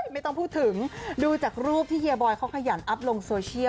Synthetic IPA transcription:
ma˥˩jt̪ɔ˥˩ŋpʰuː˥˩t̪ʰɯ˨˩˦ŋduː˧t͡ɕaː˨˩k̚ɾuː˥˩p̚t̪ʰiː˥˩ʔi˧bɔː˧jkʰa˦˥wkʰa˧ja˩˦nʔa˦˥p̚lo˧ŋsoː˧t͡ɕʰi˥˩

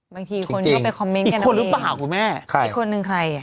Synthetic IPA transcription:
baː˧ŋt̪ʰiː˧kʰo˧nkt͡ɕki˧˥ŋpe˧nkʰɔ˧mːe˦˥niː˨ka˧nkʰːo˧nɾɯ˦e˧plaː˧˨˩wkʰu˧nmɛː˥˩kʰa˥˩˨kʰːo˧nːɯ˧ŋkʰɾa˧ja˨˩

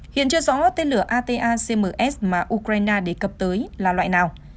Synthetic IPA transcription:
hḭ˧˨ənt͡ɕɨ˧əzɔ̰˧˦kɔ˨˦˥t̪e˧nlɨ˧˩əʔaː˧t̪e˧ʔaː˧se˧məː˨˩ʔɛ˦˥smaː˨˩ʔu˧kɾaː˧jnaː˧ɗe˧˩kə˨˩p̚t̪əː˨˦jlaː˨˩lwa̰ː˧˨jnaː˨˩w

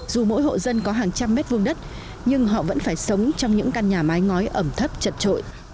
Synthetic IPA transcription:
zu˨˩mo̰˧˥jɦo̰˧˨zə˧nkɔ˨˦ɦaː˨˩ŋt͡ɕa˧mːɛ˦˥t̚vɨ˧əŋɗə˦˥t̚ | ɲɨ˧ŋɦɔ̰˧˨və̰˧˥nfaː˧˩jsə˨˦wŋ͡mt͡ɕɔ˧wŋ͡mɲɨ̰˧˥ŋka˧nɲaː˨˩ma˨˦jŋɔ˨˦jʔə˧˩mt̪ʰə˦˥p̚t͡ɕə˨˩t̚t͡ɕo̰˧˨j

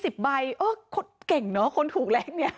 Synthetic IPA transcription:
si˨˩p̚ba˧jʔɤː˧˩kʰo˦˥t̚ke˨˩ŋnɔ˦˥kʰo˧nt̪ʰuː˨˩k̚lɛː˨˦˥ŋni˦˥ɐ

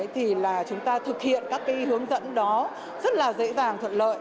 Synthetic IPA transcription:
jt̪ʰi˨˩laː˨˩t͡ɕʊ˨˦ŋ͡mt̪aː˧t̪ʰɨ˨˩k̚hḭ˧˨ənkaː˦˥kːaː˨˦jhɨ˨˦əŋzə̰˧˥nɗɔ˨˦ | zə˦˥t̚laː˨˩zə̰˧˥zaː˨˩ŋt̪ʰwə̰˧˨nlə̰ː˧˨j

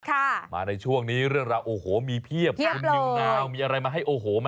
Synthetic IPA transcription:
kʰa˥˩ma̰ː˧na˧jt͡ɕʰu˥˩əŋniː˦˥ɾɯ˥˩əŋɾaː˧wʔoː˧hoː˩˦miː˧pʰi˥˩əp̚pʰi˥˩u˧li˧˥˧ŋaː˧wmiː˧ʔa˧ɾa˧jmaː˧ɦa˥˩jʔoː˧ɦoː˩˦ma˦

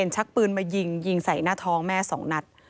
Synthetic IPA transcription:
e˧nt͡ɕʰa˦˥k̚pɯː˧nmaː˧ji˧ŋji˧ŋsa˩˦jnaː˥˩t̪ʰɔː˦˥ŋmɛː˥˩sɔː˩˦ŋna˧˥t̪̚

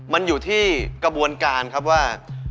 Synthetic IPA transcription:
ma˧njuː˨˩t̪ʰiː˥˩kɾa˧bu˧ənkaː˧nkʰa˦˥p̬̚waː˥˩

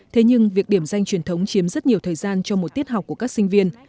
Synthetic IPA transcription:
t̪ʰe˨˦ɲɨ˧ŋvi˨˩ək̚ɗi˧˩əmza˧jŋ̟t͡ɕwi˨˧˩ənt̪ʰə˨˦wŋ͡mt͡ɕi˨˦əmzə˦˥t̚ɲi˨˩əwt̪ʰəː˨˩jzaː˧nt͡ɕɔ˧mo˨˩t̚t̪i˦˥ət̚ɦa˨˩wk͡p̚ku˧˩əkaː˦˥k̚sï˧ŋ̟vi˧ən

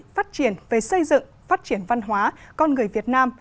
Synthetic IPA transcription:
faː˦˥t̚t͡ɕi˧˩ənve˨˩sə˧jzɨ̰˧˨ŋfaː˦˥t̚t͡ɕi˧˩ənva˧nɦwaː˨˦kɔ˧nŋɨ˨˩əjvi˨˩ət̚naː˧m

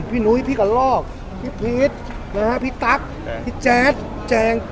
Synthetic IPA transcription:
pʰiː˧˩nu˨˧˦jpʰiː˧˨ka˧˩lɔː˧˥˩k̚ | pʰiː˧pʰiː˧˨˦t̪̚ | na˧ha˦˧˥pʰiː˧˨t̪a˦˥k̚ | pʰiː˧˩t͡ɕɛː˨˧˥t̪̚ | t͡ɕɛː˧ŋ

